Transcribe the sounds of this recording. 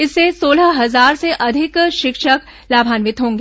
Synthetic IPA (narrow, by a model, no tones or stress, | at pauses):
ɪsːesoːləɦɐzaːɾseʔɐd̪ʱɪkʃɪkʃək | laːbʱaːnʋɪt̪ɦõːŋɡ